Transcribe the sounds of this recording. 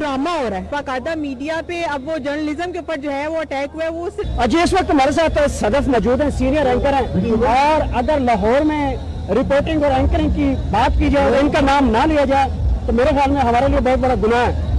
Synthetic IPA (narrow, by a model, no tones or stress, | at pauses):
ɖɾaːmaɦoːɾaɛbaːkaːjd̪amiːɖijapeɐbʋod͡ʒəɾnəlɪzəmkeʊpːəɾd͡ʒoːɦɛʋoɐʈɛːkɦuɛʋosɐd͡ʒiɪsʋək̚t̪maːɾes̬aːt̪ʰsɐd̪əfmɔːd͡ʒuːd̪ɦɛ̃ːsiːnɪjəɾɛ̃ːŋkəɾɦɛ̃ːɔːɾɐɡəɾlaɦɔːɾmẽ | ɾɪpoːɾʈɪ̃ŋɡɔːɾɛ̃ːŋkəɾɪ̃ŋɡkibaːt̪kiːd͡ʒaːeɪnkanaːmnalɪjad͡ʒaːet̪oːmeːɾexjaːlmẽɦɐmaːɾeliebɔɦːt̪̚bɐɽaɡʊnaɦɛ̃ː